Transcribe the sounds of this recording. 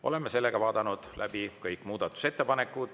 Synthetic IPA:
ʔo̞̰le̞mːese̞lːeɡ̥ɑvɑːd̪̥ɑnud̪̥lʔæ̰b̥ikɤjkːˑmuːd̪̥ɑt̪ːˑu̥se̞t̪ːepɑne̞kːud̪̥

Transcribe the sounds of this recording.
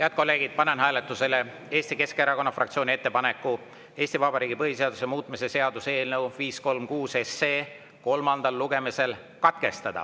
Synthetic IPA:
heæɑd̪̚ko̞lːe̞ːɡid̪̥̚pɑnenɦæːlet̪ːˑuse̞le̞ | e̞ːst̪ike̞skeɾɑko̞nːɑfrɑkt̪sioːnʲie̞t̪ːe̞pɑne̞kːˑu | e̞ːst̪ivɑbɑɾiːɡipɤɦhise̞ɑd̪usemuːt̪ˑmise̞se̞ɑd̪̥use̞ːlnɤwviːsko̞lmkuːse̞seː | ko̞lmɑnd̪̥ɑlːuɡe̞mise̞l | kɑt̪ke̞st̪ɑd̪̥ɑ̰

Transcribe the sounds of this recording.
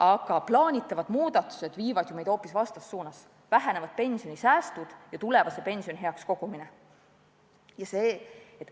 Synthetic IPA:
ʔɑɡ̥ɑplɑːnʲit̪ːˑɑvɑd̪̥muːd̪̥ɑt̪ːˑu̥se̞d̪̥viːvɑd̪̥jume̞jd̪̥o̞ːpːisvɑst̪ɑsːuːnɑs | væɦæne̞vɑd̪̥̚pe̞nʲsio̞nʲisæːst̪ud̪̥jɑt̪ule̞vɑsepe̞nsioniɦeɑksko̞ɡ̥umine | jɑseːet̪ːˑ

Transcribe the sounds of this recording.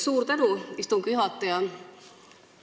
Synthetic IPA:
suːrt̪eduˑist̪uŋkyhɑˑt̪ːejɑ

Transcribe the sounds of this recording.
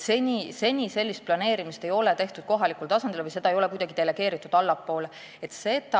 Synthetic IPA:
senʲise̞nʲise̞lʲːist̪̚plɑne̞ːɾimist̪e̞jo̞le̞t̪e̞ht̪ud̪̥ko̞ɦɑlikult̪ɑsɑnd̪̥ilvɯjse̞d̪̥ɑejo̞le̞kujd̪̥ɑɡid̪̥e̞le̞ɡ̥e̞ːɾit̪ːˑud̪̥ɑlːɑpːo̞ːle | e̞t̪ːse̞t̪ɑ

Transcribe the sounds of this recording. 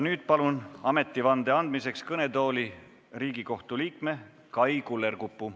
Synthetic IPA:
nyːd̪̥̚pɑlunɑme̞t̪ːˑivɑnd̪e̞ɑnd̪̥mise̞kskɤne̞t̪o̞ːli | riːɡiko̞ht̪uliːkme̞ | kɑjkulːe̞rkupːˑu

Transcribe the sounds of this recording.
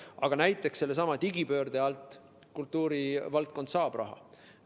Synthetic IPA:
ɑɡ̥ɑnæjt̪ːˑe̞kse̞lːesɑmɑt̪iɡipø̞ːrd̪̥eɑlt̪ˑ | kult̪ˑːuːɾivɑlt̪̚ko̞nd̪̥sɑːb̥rʔɑ̰ɦɑ̰

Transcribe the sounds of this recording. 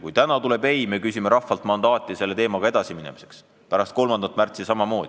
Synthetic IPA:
kujt̪ænɑt̪ule̞bejmekysimeɾɑfːɑlt̪mɑnd̪ɑːt̪ʲːˑise̞lːet̪e̞ːmɑɡ̥ɑe̞d̪̥ɑsiminɛmi̥se̞̥ks | pæɾɑst̪̚ko̞lmɑnd̪ɑt̪ːˑmært̪sisɑmɑmo̞ːd̪̥i

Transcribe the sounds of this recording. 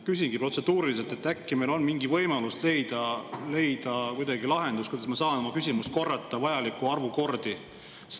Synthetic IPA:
kys̬ʲiŋɡ̥ipro̞t̪se̞d̪̥uːɾiliset̪et̪ːækːime̞jlo̞nmiŋɡivɤ̞jmɑlust̪le̞jd̪̥ɑle̞jd̪̥ɑkujd̪ɑɡilɑɦe̞nd̪̥uskujd̪ɑsmɑsɑːno̞mɑkysʲimust̪̚ko̞rːɑt̪ˑːɑvɑjɑlikːˑuɑrvuko̞rd̪̥i

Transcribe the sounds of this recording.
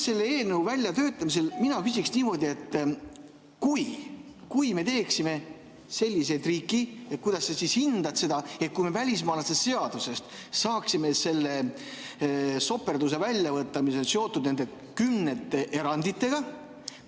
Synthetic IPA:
se̞lːeeːlneuvælʲjɑt̪øːt̪ːˑɑmis̬e̞lminɑkysʲiksniːmo̞d̪ʲie̞t̪ː | kuj | kujme̞t̪e̞ːksime̞ | se̞lʲːise̞jd̪riːkːˑiet̪̚kujd̪ɑsːesishind̪̥ɑt̪se̞d̪̥ɑe̞t̪̚kujme̞vælʲis̬mɑːlɑsest̪se̞ɑd̪̥use̞st̪ | sɑːksime̞se̞lːe̞ | so̞pːe̞rd̪use̞vælʲːjɑvɤt̪ːɑmiso̞nseo̞t̪ːˑud̪̥̚nend̪e̞ | kymne̞t̪ːeʔe̞ɾɑnd̪it̪ːˑe̞ɡ̥ɑ

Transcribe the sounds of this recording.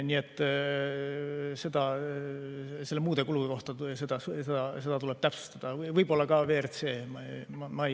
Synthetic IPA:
nʲiːe̞t̪ː | se̞d̪̥ɑ | se̞lːemuːd̪e̞kuluɡikoht̪ɑse̞d̪ɑssed̪ɑse̞d̪ɑt̪ule̞b̥̚t̪æpsu̥st̪ɑd̪̥ɑvɤjb̥o̞lːɑkɑve̞ːrt̪se̞ːmmɑj

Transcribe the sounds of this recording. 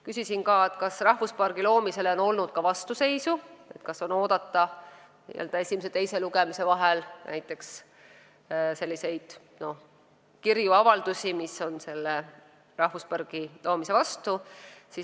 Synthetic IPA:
kysisinkɑːet̪kɑsrɑhvuspɑrɡ̥ilo̞ːmise̞lo̞no̞lnud̪̥kɑvɑst̪use̞jsue̞t̪kɑso̞no̞ːd̪ɑt̪ːɑ | nḭːḛld̪ɑe̞sʲimeset̪ejse̞luɡemise̞vɑɦelnʔæ̰jt̪ːˑe̞ks | se̞lʲːise̞jd̪̥ | no̞ | kirjuɑvɑld̪̥usʲimiso̞nse̞lːe | rɑhfuspɑrɡ̥ilo̞ːmise̞vɑst̪usi

